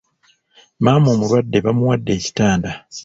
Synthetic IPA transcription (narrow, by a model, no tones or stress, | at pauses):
maːmoːmuɾwadːe̞βamuwadːe̞ːci̥taːnda